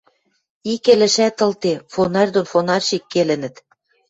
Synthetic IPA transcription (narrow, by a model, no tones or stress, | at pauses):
ikelɘ̆ʃæt̪ɤ̆lt̪efonɑrʲd̪onfonɑrʲʃikːelɘ̆nɘ̆t̪